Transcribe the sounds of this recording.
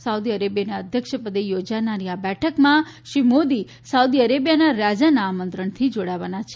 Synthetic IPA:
saud̪iəɾebjanaəd̪ʱjəkʃəpəd̪ejod͡ʒanaɾiabɛʈʰəkmã | ʃɾimod̪i | saud̪iəɾebjanaɾad͡ʒanaamənt̪ɾəɳt̪ʰid͡ʒoɽaʋanat͡ʃʰe

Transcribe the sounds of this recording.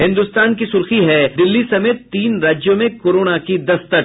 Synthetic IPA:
ɦɪ̃nd̪ʊst̪aːnkisʊɾxiɦɛd̪ɪlːisɐmeːt̪ːiːnɾaːd͡ʒjõmẽkoːɾoːnakid̪ɐst̪ə

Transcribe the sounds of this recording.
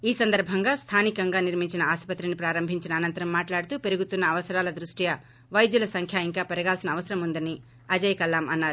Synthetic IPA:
iːsɐnd̪ɐɾbʱɐŋɡaːst̪ʰaːnikɐŋɡaːniɾmiɲt͡ʃinɐaːʃpɐt̪ɾinipɾaːɾɐmbʱiɲt͡ʃinɐːnɐnt̪ɐɾɐmːaːʈlaːɽut̪uːpe̞ɾuɡut̪unːɐːʋɐsɐɾaːlɐd̪ɾuʂʈijɐ | ʋɐjd̪julɐsɐŋkʰjaːiŋkaːpɛɾɐɡaːlsinɐːʋɐsɐɾɐmund̪ɐni | ɐd͡ʒɐjɐkɐlːaːmɐnːaːɾu

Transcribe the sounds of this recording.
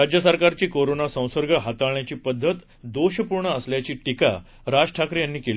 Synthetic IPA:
ad͡ʑjəsəɾkaɾt͡ɕiːkoɾonasə̃w̃səɾɡəɦat̪aɭɳjat͡ɕiːpəd̪ʱːət̪ | d̪oɕəpuɾɳəəsljat͡ɕiːʈika̰ | ɾad͡ʑʈʰakɾijanːiːkel

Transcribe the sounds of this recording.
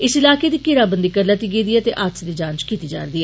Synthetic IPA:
ɪsɪlaːked̪ikɪɾaːbənd̪ikɐɾlɐt̪iɡeːd̪iɛt̪eʔaːt̪sed̪id͡ʒãːnt͡ʃkiːt̪id͡ʒa̰ːɾd̪iɛː

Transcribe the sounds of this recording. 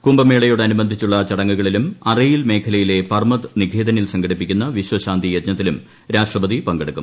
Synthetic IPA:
kumbɐme̞ːɭɐjoːɽeɐnubɐnd̪ʱit͡ɕːuɭːɐt͡ɕɐɽɐŋːuɣɐɭilumɐrijilme̞ːkʰɐlɐjile̞pɐrmɐt̪niɡʱeːd̪ɐnilsɐŋɡʱɐɽipːikʲːunːɐʋiɕwɐɕaːnd̪ʱijɐt̪ɲɐt̪ːilum | ɾaːʂʈrɐbɐðipɐŋɡeɽukːṵm

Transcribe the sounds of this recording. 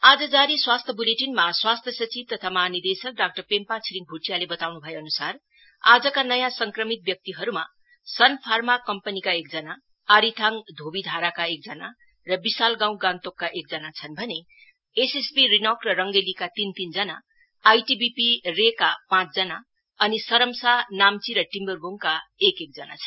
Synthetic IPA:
ad͡zʌd͡zaɾiswast̪ʰjʌbuleʈinmaswast̪ʰjʌsʌt͡sib̚t̪ʌt̪ʰamaɦːnid̪esʌk̚ɖak̚ʈʌrpempat͡sʰiɾiŋ̚bʱuʈijalebʌt̪awnubʱʌjeʌnusar | ad͡zʌkanʌjãsʌŋkrʌmit̪̚bjʌk̚t̪iɦʌɾuma̰ | sʌnpʰarmakʌmpʌnikaek̚d͡zʌnaː | ɾit̪ʰaŋd̪ʱobid̪ʱaɾakaek̚d͡zʌna | rʌbisalɡãw̃ɡãnt̪okːaʔek̚d͡zʌnat͡sʰʌnbʱʌne | esesbirinʌkrʌrʌŋɡelikat̪int̪ind͡zʌnaː | jʈibipirekapãt͡sd͡zʌna | ʌnisʌɾʌmsanamt͡siɾʌʈimbʌrboŋkaekek̚d͡zʌna̰t͡sʰʌ

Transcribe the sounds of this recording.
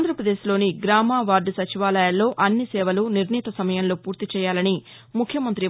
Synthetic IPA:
nd̪ʱɾɐpɾɐd̪e̞ːʃlo̞ːniɡɾaːmaːʋaːɾɖsɐt͡ʃiʋaːlɐjɐlːo̞ːʔɐnːisɛːʋɐluniɾniːt̪ɐsɐmɐjɐnlo̞ːpuːɾt̪it͡ʃɛːjaːlɐni | mukʰjɐmɐnt̪ɾi

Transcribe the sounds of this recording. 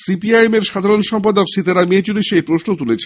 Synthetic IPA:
sipiajemeɾʃad̪ʱaɾonʃɔmpad̪okʃit̪aɾamiet͡ɕuliʃejpɾoʃnot̪ulet͡ɕʰe

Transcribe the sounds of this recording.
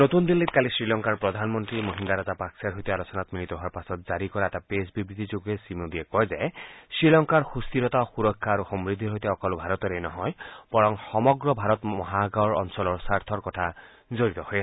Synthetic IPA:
not̪und̪inlit̪̚kalisɾilɔŋkaɾpɾɔd̪ʱanmɔnt̪ɾimoɦind̪aɾazapaksaɾɦojt̪ialɔsɔnat̪milit̪ɔɦuaɾpasɔt̪zaɾikɔɾaɛtapesbibɾit̪ʰid͡ʒoɡesimod̪iekɔjzajsɹilɔŋkaɾxust̪iɾɔt̪axuɾɔkʰːaːɾuxɔmɾid̪ʱːiɦojt̪eɔkɔlbʱaɾɔt̪ɔɾejnɔɦɔjb̥ɔɾɔŋxɔmɔɡɾɔbʱaɾɔt̪ɔɦaɡaɹɔ̰nsɔlɔɾsaɾt̪ʰɔɾkɔtʰa | zoɾit̪ɔhɔje

